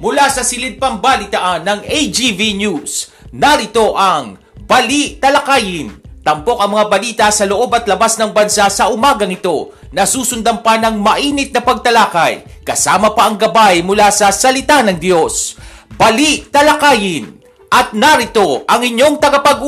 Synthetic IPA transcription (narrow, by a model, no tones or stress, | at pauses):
mʊlasɐsɪlɪd̪̚pɐmbalɪt̪ɐʔanːɐŋʔejd͡ʒivinus | nɐɾɪt̪o̞ʔɐŋ | bɐliʔt̪ɐlɐkaːjɪnt̪ɐmpo̞k̚ɐŋmɐŋabɐliːt̪ɐsɐloʔo̞bɐt̪lɐbasnɐŋbɐnsasɐʔʊmaːɡɐŋɪt̪o̞ | nɐsuːsʊnd̪ɐmpɐnɐŋmɐʔiːnɪt̪̚nɐpɐɡ̚t̪ɐlaːkɐjkɐsaːmɐpɐʔɐŋɡɐbajmʊlasɐsɐlɪt̪anɐŋd̪jo̞sbɐliʔt̪ɐlɐkaːjɪn | ʔɐt̪̚nɐɾɪt̪o̞ʔɐŋɪɲːo̞ŋt̪ɐɡɐpɐɡu